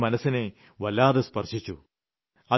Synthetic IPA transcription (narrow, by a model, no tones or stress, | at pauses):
mɐnɐsine | ʋɐlːaːðespɐrʂit͡ɕːṵ | ɐ